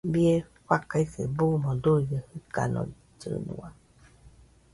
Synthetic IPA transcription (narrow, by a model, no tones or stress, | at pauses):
bie | ɸakaisḛbumõd̪uiɡəhɯka̰nõ̰i | t͡ʃɨ̰nṵ̃a